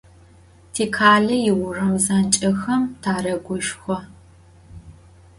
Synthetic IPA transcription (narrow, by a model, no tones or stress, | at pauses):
tʰeːkʰaːɮɐjɪwʊrɐwzant͡ʃʼɐxɐmtʰaːrɐɡʷʊʃxʷɔ